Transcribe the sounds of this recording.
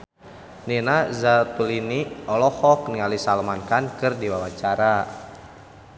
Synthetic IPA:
ninazat̪uliniɔlɔhɔk̚niŋalisalmankankɨrdiwawat͡ʃaɾa

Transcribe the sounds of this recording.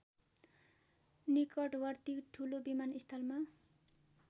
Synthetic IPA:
nikʌʈwʌrt̪ikʈʰulobimanist̪ʰʌlma

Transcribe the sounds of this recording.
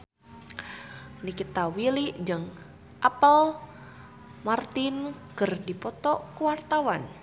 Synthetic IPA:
nikit̪awiliʔd͡ʒɨŋ | ʔapəl | mart̪inkərdipɔt̪ɔkuwart̪awan

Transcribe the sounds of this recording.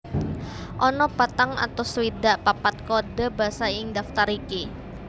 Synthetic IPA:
ʔɔnɔpat̪aŋʔa̰t̪awsəwidaʔpapat̪̚koda̤basajɪŋdaft̪aɾiki

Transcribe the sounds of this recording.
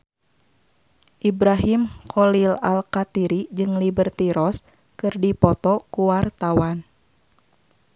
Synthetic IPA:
ʔibɾaɦimkʰɔlilalkat̪iɾid͡ʒɨŋlibərt̪iɾɔs | kɨrdipɔt̪ɔkuwart̪awan

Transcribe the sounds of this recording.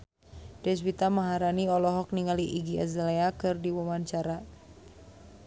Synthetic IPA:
dɛsbit̪amaɦaɾaniɔlɔɦɔk̚niŋaliʔiɡiəzaleakɨrdiwɔmaɲt͡ʃaɾa

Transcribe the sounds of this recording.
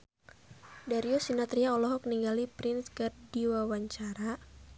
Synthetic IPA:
daɾiɔsinat̪ɾiaɔlɔɦɔk̚niŋɡalipɾɪnskɨrdiwawaɲt͡ʃaɾa

